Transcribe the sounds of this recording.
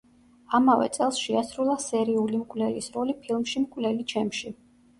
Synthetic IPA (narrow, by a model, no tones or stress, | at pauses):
amavɛ̰t̪sʼɛlˠsʃɛasɾulˠasɛɾiulimkʼvlɛlisɾɔlipʰilˠmʃimkʼwvlɛlit͡ʃʰɛmʃi